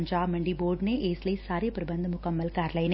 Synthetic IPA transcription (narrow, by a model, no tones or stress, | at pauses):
ɲd͡ʒaːmɐɳɖiboːɾɖneːʔeːslesaːɾjɐpɐɾɐbɐnd̪ʱɐmʊkɐmːɐlkaːɾɐlɐjn